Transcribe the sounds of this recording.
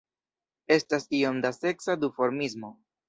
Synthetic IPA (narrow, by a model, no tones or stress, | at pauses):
e̞stasio̞mdase̞ksadufo̞ɾmizmo̞